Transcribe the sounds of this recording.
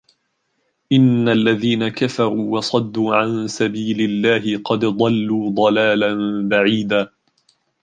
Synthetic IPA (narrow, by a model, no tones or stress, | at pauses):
ʔɪnːalːaðiːnakafɑɾˤuːwɑsˤɑd̪ːuːʕansabiːlɪlːaːɦɪqɑd̪d̪ˤɑlːuːd̪ˤɑlaːlanbaʕiːd̪aː